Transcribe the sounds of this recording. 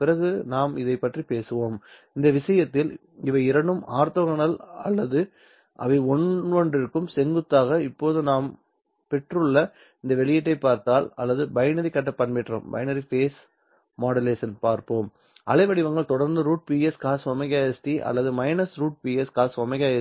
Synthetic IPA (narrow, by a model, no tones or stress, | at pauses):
pɪɾɐɣɯnaːmɪðɐɪpːɐʈripeːsɯʋoːm | ɪnd̪ɐʋɪsɐjɐt̪ːɪl | ɪʋɐɪɾɐɳɖɯmaːɾt̪ɔɣɐɳɐlɐ̰lːɐðɯ | ʔɐ̰ʋɐɪɔɳʋɐɳɖɪɾɯkːɯmsɛŋɡɯt̪ːaːɣɐɪpːoːðɯnaːm | pɛʈrɯɭːɐ | ɪnd̪ɐʋɛɭɪjɛʈ̬ːɐɪpːaːɾt̪aːlɐ̰lːɐðɯbɐjnɐɾikɐʈ̬ːɐpːɐɳmɪʈːro̰ːmbɐ̰ɪnɐɾifeːs | maːɽɐleːsɐnpaːɾpoːm | ʔɐ̰lɐɪʋɐɽɪʋɐŋɡɐɭt̪ɔɽɐɾnd̪ɯɾuːʈ̚piːɛskaːsʋɔmɐɣaːjesʈiʔɐ̰lːɐðɯmɐɪnɐsɾuːʈ̚piːɛskaːsʋɔmɐɪɣaːjɛ